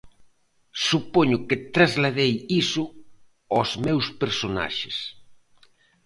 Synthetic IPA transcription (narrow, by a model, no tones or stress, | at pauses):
supoɲʊket̪ɾazlaðejisʊ | ɔzmewspeɾsona̰ʃes